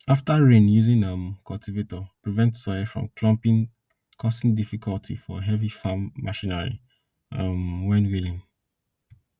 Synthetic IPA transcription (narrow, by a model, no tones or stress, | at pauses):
aftaɹẽnjuzĩŋʌ̃mkʰɔlˠtivetɔpɹivɛ̃ntsɔjfɹɔ̰̃mkʰlɔ̃mpĩŋ | kʰɔsĩŋdifikʰɔlˠtʰḭfɔɦɛvifamːaʃĩnɛɹḭ | ʌmwɛ̃nwilĩn